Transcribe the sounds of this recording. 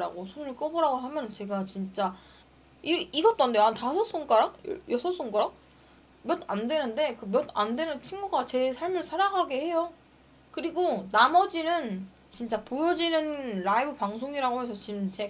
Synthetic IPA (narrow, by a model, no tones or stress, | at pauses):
ɾa̰ɡosʰonɯɭk͈ʌbʌɾaɡoɦamjʌnt͡ɕe̞ɡat͡ɕint͡ɕ͈a | iiɡʌt͈oɦandejoantasʰʌs͈oŋk͈aɾa̰jʌsʰʌs͈oŋk͈aɾa | mjʌt̚andwe̞nɯnde̞kɯmjʌt̚andwe̞nɯnt͡ɕʰinɡuɡat͡ɕe̞sʰaɭmɯɭsʰaɾaɡaɡehe̞jo | kɯɾiɡonamʌd͡ʑinɯn | t͡ɕint͡ɕ͈apojʌd͡ʑinɯnɾaibɯpaŋsʰoŋiɾaɡoɦe̞sʰʌt͡ɕimt͡ɕe̞